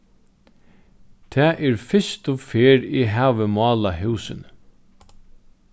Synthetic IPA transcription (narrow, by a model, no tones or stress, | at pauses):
t̪ʰɛːʔɛɹfɪst̪ɔfeːɹiɦæːʋəmɑːlaɦʉːsɪn